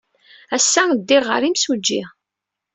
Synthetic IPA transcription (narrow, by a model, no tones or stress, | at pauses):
æsːæd̪ːiʁə̰ɾimsud͡ʒːi